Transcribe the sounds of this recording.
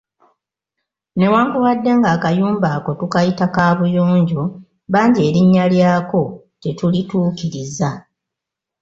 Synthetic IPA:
ne̞waːŋkuwadːe̞ŋɡaːkajuːmbaːko̞tukajitakaːβujoːɲɟo | βaːɲɟe̞ːɾiɲːaljaːko̞ | tetulituːkiɾiza

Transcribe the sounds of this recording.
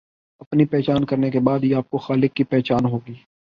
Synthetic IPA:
ɐpnipɛːt͡ʃaːnkɐɾnekebaːd̪ɦiaːp̚koxaːlɪkːipɛːt͡ʃaːnɦoːɡiː

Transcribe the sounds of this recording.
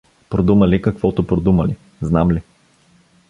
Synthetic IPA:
pɾod̪uməlikɐkvɔt̪ʊpɾod̪uməli | znamli

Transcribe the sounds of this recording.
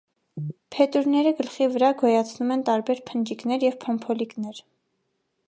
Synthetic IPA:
pʰɛt̪uɾnɛɾəɡəlχivəɾɑɡɔjɑt͡sʰnumɛnt̪ɑɾbɛɾpʰənd͡ʒiknɛɾjɛvpʰɔmpʰɔliknɛɾ

